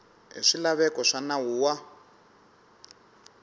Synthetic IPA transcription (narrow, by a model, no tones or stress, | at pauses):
ɦḭʂilaβɛkɔʂanawuːwa